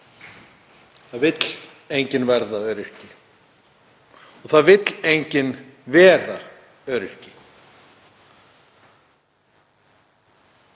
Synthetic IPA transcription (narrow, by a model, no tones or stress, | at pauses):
θaðvɪt̪l̥ | ejɲcɪnvɛɾðaœːɾɪr̥cɪ | ɔθaðvɪt̪lejɲcɪnvɛːra | œːɾɪr̥cɪ̥